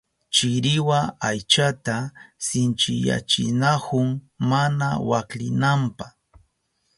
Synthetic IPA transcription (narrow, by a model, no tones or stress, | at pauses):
t͡ʃɪɾɪwaajt͡ʃat̪asɪnt͡ʃɪja̰t͡ʃɪ̰nakʊŋ | manawaklɪnampaχ